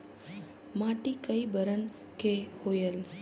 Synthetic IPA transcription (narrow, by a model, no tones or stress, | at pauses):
mãʈikəibəɾən | kehojel